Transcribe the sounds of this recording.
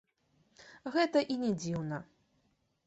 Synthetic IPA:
ɣɛt̪ɐʔinʲɛd͡zʲiwnɐ

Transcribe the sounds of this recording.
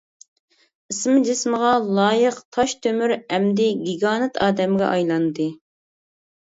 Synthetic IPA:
ismɨd͡ʒɪsməʁɑlˠɑːjəqt̪ʰɑʃt̪ʰømyɾɛmd̪ɪɡʲiɡɑːnɨt̪ʰɑːd̪ɛmɡʲɛ̰ʔɑjlˠɑnd̪ɨ

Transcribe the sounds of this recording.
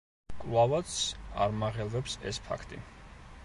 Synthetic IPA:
kʼlavat̪sʰa̰ɾmaʁɛlˠvɛpsɛ̰spʰa̰kʰt̪ʼḭ

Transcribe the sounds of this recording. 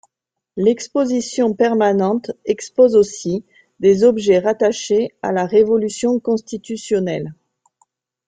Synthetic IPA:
lɛkspozisjɔ̃pɛʁmanɑ̃t̪ɛkspozosi | d̪ezɔbʒɛʁat̪aʃea̰laʁevɔlysjɔ̃kɔ̃st̪it̪ysjɔnɛl

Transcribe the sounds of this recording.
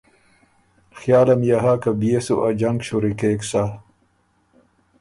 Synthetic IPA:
xjaːlɐmjaɦakabijesṵʔad͡ʑɐŋɡɕuɾikeːksa

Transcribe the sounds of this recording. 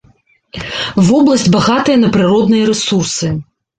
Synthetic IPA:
vɔblˠɐsʲt͡sʲbaɣat̪ɨjɐnɐpɾɨɾɔd̪nɨjɐɾɛsursɨ

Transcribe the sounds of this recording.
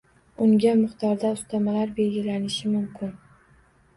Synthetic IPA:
ʊŋɡʲamɪχt̪ʰɒɾd̪aʊst̪ʰamalaɾbe̞lɡʲɪlanɪʃɪmʊmkʲʰɪn

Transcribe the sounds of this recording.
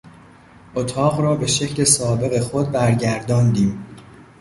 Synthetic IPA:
ʔot̪ʰɒːɣrɒːbe̞ʃe̞cʰle̞sɒːbe̞ɣe̞xod̪̚bæɾɟæɾd̪ɒːnd̪iːm

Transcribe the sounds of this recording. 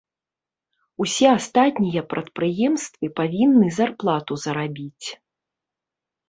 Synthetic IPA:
usʲɛast̪at̪ʲnʲijɐpɾʔɐt̪̚pɾɨjɛmst̪vɨpavʲinːɨzarplˠat̪uzɐɾabʲit͡sʲ

